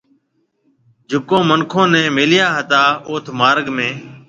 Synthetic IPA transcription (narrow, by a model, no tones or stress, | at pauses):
d͡ʒʱʊkõːməŋkʰõːnɛ̃ːmɪlɪjaːɦət̪aːoːt̪ʰmaːɾɡmẽː